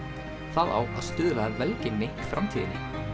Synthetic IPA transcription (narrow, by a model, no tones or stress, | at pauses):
θaðʔa̰wa̰ðst̪ʏːðʋaðvɛlcɪŋnɪfɾamt̪ʰḭːnɪ̰